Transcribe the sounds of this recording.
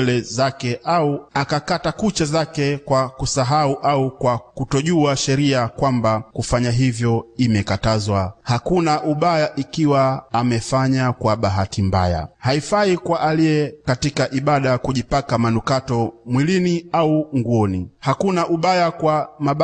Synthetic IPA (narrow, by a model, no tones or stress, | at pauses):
lɛzakɛʔauakakatakut͡ʃazakɛkwakusaɦauʔaukwakutɔʄuaʃɛɾiakwambakufaɲaɦivjɔimɛkatazwahakunaʔuɓajaʔikiwaːmɛfaɲakwaɓaɦatimba̰ja̰haifaikwaʔalijɛkatikaʔiɓaɗakuʄipakamanukatɔmwiliniauŋɡuɔnihakunaʔuɓajakwamaɓ